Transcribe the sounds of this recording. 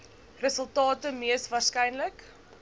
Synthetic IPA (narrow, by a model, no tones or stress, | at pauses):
rəsəlˠtɑːtəmiəsvɑːrskɛjnlək